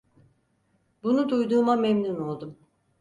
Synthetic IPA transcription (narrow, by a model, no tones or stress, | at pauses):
bunud̪ujd̪uːmamemnuno̞lˠd̪um